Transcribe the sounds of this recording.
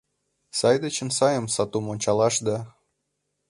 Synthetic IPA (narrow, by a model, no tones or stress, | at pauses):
sɑjd̪ə̆t͡ɕə̆nsɑjəmsɑt̪umonʲt͡ɕɑlˠɑʃd̪ɑ